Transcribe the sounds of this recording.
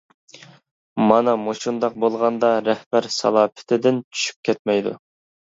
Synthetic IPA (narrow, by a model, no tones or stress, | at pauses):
mɑnɑmoʃund̪ɑq̚bolˠʁɑnd̪ɑɾæhbæɾsɑ̰lˠɑːpʰɪ̥t̪ʰɪd̪ɪnt͡ʃʰy̥ʃy̥p̚kʲʰɛt̪̚mɛjd̪ṵ